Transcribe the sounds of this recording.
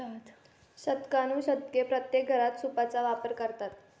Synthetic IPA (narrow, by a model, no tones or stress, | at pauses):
t̪ | ɕəd̪kanũːɕəd̪̚kepɾət̪jek̚ɡʱəɾat̪supat͡saʋapəɾkəɾt̪at̪̚